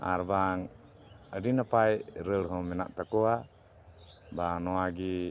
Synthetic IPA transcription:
a̰ɾbaŋ | ədinapajɾəlɦɔmɛna̰ʔt̪akɔa | banɔaɡi

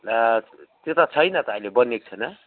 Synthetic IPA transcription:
t̪et̪at͡sʰʌjnʌt̪ʌãjlebʌnek̚t͡sʰʌnʌ

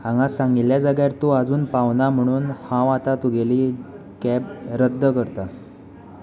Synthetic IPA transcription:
hãŋɡasaŋɡiljad͡zaɡjaɾt̪oad͡zuːnpaʋnam̤əɽ̃uːnhãʋat̪at̪uɡeliː | kɛbɾəd̪ʱːəkəɾt̪a

